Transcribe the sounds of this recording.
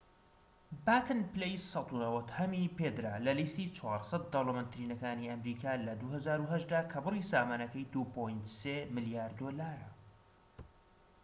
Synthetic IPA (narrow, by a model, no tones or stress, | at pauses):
bat̪ʰɨnplejssɑt̪unɐwɐt̪hɐmiped̪ɾalɐlist̪iːt͡ʃʰwɑːɾsˤɐt̪̚d̪ɐwlomənt̪ɾiːnɐkaːniɐmɾiːkʰaːlɐd̪uhɐzaːɾuɦɐʒd̪aːkʰɐbɨrˤisaːmaːnɐkɐjd̪upʰojnt̪semɨlijaːɾd̪oːlaːɾɐ